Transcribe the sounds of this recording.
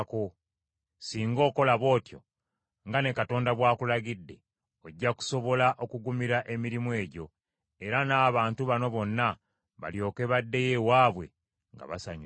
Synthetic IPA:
ko | siːŋɡo̞ːko̞laβo̞ːtjo̞̰ | ŋɡane̞kato̞ːndaβwaːkulaɡidːe̞ | oɟːaku̥so̞βo̞laʔo̞kuɡumiɾaʔe̞miɾimue̞ːɟo̞ | e̞ɾanaːβaːntuβano̞βo̞nːa | βa̰ljo̞ːke̞βadːe̞je̞waːβwe̞̰ | ŋɡa̰βa̰saɲ

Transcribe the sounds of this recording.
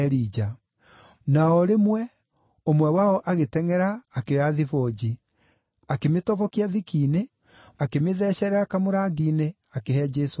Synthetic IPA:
ɛɾiːd͡ʒa | naɔɾemwɛ | omwɛwaɔʔaɣetɛŋɛɾaːkeaðifɔd͡ʑi | akemetɔvɔkiaðikiːne | akemeðɛɕɛɾɛɾakamoɾaːɡiːne | akehɛd͡ʒɛso

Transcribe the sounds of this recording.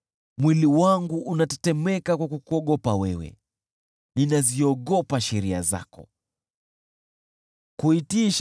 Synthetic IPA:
mwiliwaŋɡuʔunatɛtɛmɛkakwakukuɔɠɔpawɛwɛ̰ | ninaziɔɠɔpaʃɛɾia̰za̰kɔ̰ | kuitiʃ

